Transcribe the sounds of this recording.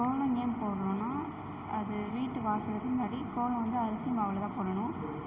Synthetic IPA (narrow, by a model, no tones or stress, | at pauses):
koːlɐ̃ŋempoːɽɐlʊ̃naː | ɐðɯʋiːʈːɯʋaːsɐlɐtːɯnmɐːɽikoːlɐ̃ʋɐnd̪ɯɐɾɐsɪjmbaːʋɐlɐt̪ãːpoːɽɐnʊ̃